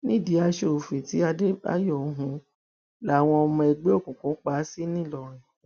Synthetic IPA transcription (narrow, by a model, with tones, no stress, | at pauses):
nĩ˦˨di˧˦a˧ʃo˨fĩ˨ti˨˦a˧de˦ba̰˦jo˦˨˦ɦũ˧ | la˨˦˨w̃ɔ̃˧ɔ˧mɔ̃˧ɛ˨ɡ͡be˦o˦˨kũ˨kũ˨˦k͡pa˦˨˦si˦nĩ˦˨lɔ˧ɾ̃ĩ˨